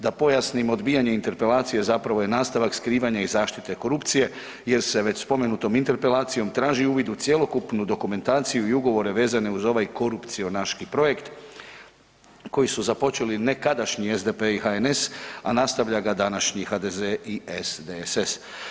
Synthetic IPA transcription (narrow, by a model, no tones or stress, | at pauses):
d̪apo̞jasnimo̞d̪biːjaɲe̞int̪e̞ɾpe̞lˠaːt̪sije̞zapɾaʋo̞je̞naːst̪aʋakskɾiːʋaɲaizaːʃt̪it̪e̞ko̞ɾupt̪sije̞ | je̞ɾse̞ʋe̞t͡ɕspo̞me̞nut̪o̞mint̪e̞ɾpe̞lˠaːt̪sijo̞mt̪ɾaːʒiuːʋid̪ut̪sje̞lo̞kupnud̪o̞kume̞nt̪aːt̪sijuiuɡo̞ʋo̞ɾe̞ʋe̞ːzane̞uzo̞ʋajko̞ɾupt̪sio̞naʃkipɾo̞je̞kt̪ | ko̞jisuzapo̞t͡ʃe̞line̞kad̪aʃɲiezd̪e̞peixaene̞sanast̪aʋʎaɡad̪anaʃɲixaːd̪e̞zeiesd̪eses